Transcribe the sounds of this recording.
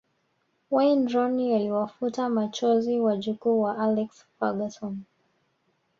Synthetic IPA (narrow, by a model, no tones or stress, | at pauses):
wandɾɔnialiwafutamat͡ʃɔziwaʄukuːwaʔalɛksfaɡasɔn